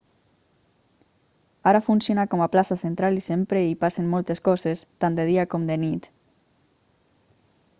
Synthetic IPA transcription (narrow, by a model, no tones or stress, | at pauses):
aɾafunsjonakɔmaplasasent̪ɾalisempɾeipasemmːɔlˠt̪eskɔzest̪and̪eð̞iakomd̪enit̪